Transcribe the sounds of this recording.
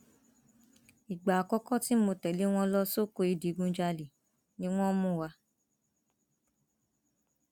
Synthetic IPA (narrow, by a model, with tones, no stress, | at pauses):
i˨ɡ͡ba˨a˨kɔ˦kɔ˦˨ti˨˦mo˧tɛ˨li˨˦w̃ɔ̃˧˦lɔ˦so˦˨ko˧˦i˧di˨˦ɡũ˧˦d͡ʒa˧li˨ | nĩ˦w̃ɔ̃˦mũ˦˨wa˧˦